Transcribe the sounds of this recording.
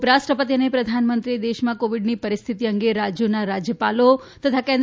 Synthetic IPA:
pɾaʃʈɾəpət̪iənepɾəd̪ʱanmənt̪ɾied̪eʃmãkoʋiɖnipəɾɪst̪ʰit̪iəŋɡeɾad͡ʒjonaɾad͡ʒjəpalo | t̪ət̪ʰakẽnd̪

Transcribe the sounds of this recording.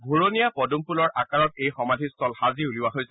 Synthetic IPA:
bʱuɹonijapɔdumpulɔɹakaɹɔt̚ejxɔmadʱistʰɔlxaziuliwaɦojsɛ

